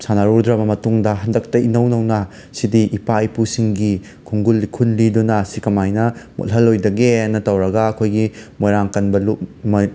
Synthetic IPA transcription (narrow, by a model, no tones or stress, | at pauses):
sanaɾuɾdɾɐbɐmɐtuŋdɐɦɐndɐk̚tɐʔinɐwnɐwnɐ | sidiʔipajpusiŋɡi | kʰuŋɡulːikʰunlidunɐsikɐmajnɐmʔo̰lɦɐlːojdɐɡenːɐtɐwɾɐɡɐːkʰojɡimojɾaŋkɐnbɐlup̚mɐ